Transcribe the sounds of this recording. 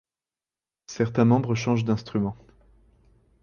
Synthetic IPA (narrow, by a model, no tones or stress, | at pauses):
sɛʁt̪ɛ̃mɑ̃bʁəʃɑ̃ʒd̪ɛ̃st̪χymɑ̃